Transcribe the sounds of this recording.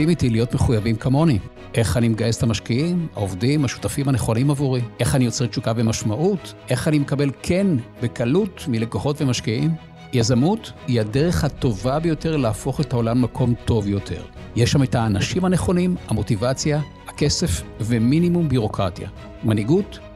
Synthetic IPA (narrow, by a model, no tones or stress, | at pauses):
imitilijo̞tmeχujavimkamo̞ni | ʔe̞χanimeɡajesetamaʃkiima̰ovdimaʃu̥tafimhane̞χo̞nimavuʁimʔe̞χanijo̞t͡set͡ʃukabemaʃmaʔutʔe̞χanimekabe̞lkʰe̞nbe̞kalutmile̞koχo̞tve̞maʃkiim | jazamutihadeʁe̞χhato̞vabejo̞teʁlaːfo̞χethao̞lamːakʰo̞mto̞vjo̞tʰe̞̰ʁjeʃːame̞taːnaʃimhaneχo̞nimhamo̞tivat͡sja | hake̞se̞fveminimumbiʁo̞kʁatja̰ | maniɡut